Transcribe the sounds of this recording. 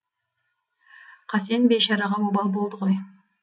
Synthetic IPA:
qʰɑsenbejʃɑɾɑʁɑwobɑlˠbo̞lˠd̪əʁo̞j

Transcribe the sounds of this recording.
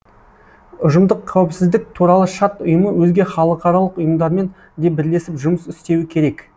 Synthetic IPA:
ʊʒəmd̪əqʰːæwɪpsɪzd̪ɪk̚t̪ʰuɾɑlˠəʃɑt̪ʊjəməwɵzɡʲe̞χɑlˠəqɑɾɑlˠəqʊjəmd̪ɑɾme̞n | d̪e̞bɪɾle̞sɪpʒʊməsɪst̪e̞wɪkʲʰe̞ɾe̞k

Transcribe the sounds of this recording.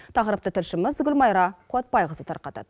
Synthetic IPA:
t̪ʰɑqəɾəp̚t̪ət̪ʰɪlʃɪməzɡʲʏlmɑjɾɑqʰuɑt̪̚bɑjʁəzət̪ʰɑ̰ɾqɑt̪ɑ̰d̪ə

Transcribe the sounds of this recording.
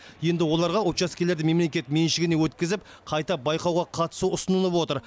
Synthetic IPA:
je̞nd̪ɪwo̞lˠɑɾʁɑot̪ʃɑskʲele̞ɾd̪ɪme̞mle̞kʲe̞t̪menʃɪɡʲɪne̞wɵt̪kʲɪzɪp | qʰɑjt̪ɑbɑjqɑwʁɑqʰɑt̪ə̥suʊsənəlˠəpwo̞t̪əɾ

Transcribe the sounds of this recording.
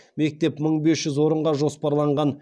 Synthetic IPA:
me̞k̚t̪e̞pməɴbe̞sʒ̥ʏzwo̞ɾəɴʁɑʒo̞spɑɾlˠɑɴʁɑn

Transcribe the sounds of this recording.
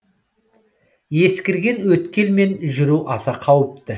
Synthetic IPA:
je̞skʲɪɾɡʲe̞nwɵt̪kʲe̞lme̞nʒʏɾuʔɑsɑqʰɑwəp̚t̪ə

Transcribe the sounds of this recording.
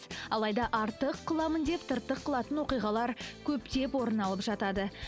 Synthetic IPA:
ɑ̰lˠɑjd̪ɑʔɑɾt̪əqːʰəlˠɑmənd̪e̞pt̪ʰəɾt̪ːəqʰːəlˠɑt̪ənwo̞qijʁɑlˠɑɾkʲʰɵpt̪e̞pwo̞ɾənɑlˠəpʒɑt̪ɑd̪ə

